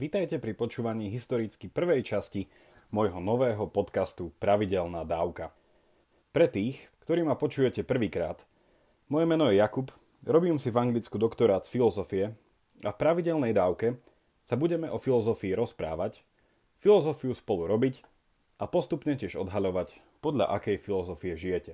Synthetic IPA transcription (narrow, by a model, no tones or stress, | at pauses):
ʋit̪ajcɛpɾipɔt͡ʃuːʋaɲiːɦist̪ɔɾit͡skipr̩ʋɛjt͡ʃasci | mɔjɦɔnɔʋɛːɦɔpɔt̪kast̪upɾaʋiɟɛlnaːd̪aːʊka | pɾɛt̪iːxkt̪ɔɾiːmapɔt͡ʃuːjɛcɛpr̩ʋiːkɾa̰ːt̪ | mɔjɛmɛnɔjɛjakup | ɾɔbiːmsivaŋɡlit͡skud̪ɔkt̪ɔɾaːt̪sfilɔzɔfiɛ | afpɾaʋiɟɛlnɛjd̪aːʊkɛ | sabuɟɛmɛʔɔfilɔzɔfiːɾɔspɾa̰ːʋac | filɔzɔfiuspɔluɾɔbic | ʔapɔst̪upɲɛcɪɛʒɔ̰d̪ɦaʎɔʋac | pɔd̪ʎa̰ʔakɛjfilɔzɔfiɛʒijɛcɛ